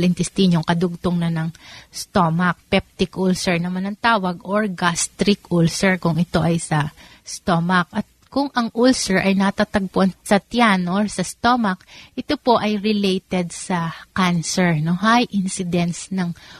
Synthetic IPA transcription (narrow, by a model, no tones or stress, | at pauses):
lɪnt̪ɛst̪iɲoŋkɐd̪ʊɡ̚t̪oŋnɐnɐŋst̪omɐk̚pɛp̚t̪ɪkʔulsɛɹnɐmanɐŋt̪aːwɐɡʔoɹɡast̪ɾɪkulsɛɹkʊŋɪt̪o̞ʔɐjsɐ | st̪omɐk̚ɐt̪̚kʊŋʔɐŋʔulsɛɹʔɐjnɐt̪at̪ɐɡ̚pʊʔɐnsɐt̪janoɹsɐst̪omɐkʔɪt̪opo̞ʔɐjɾɪlejt̪ɛd̪̚sɐkansɛɹnoɦajʔɪnsɪd̪ɛnsnɐŋ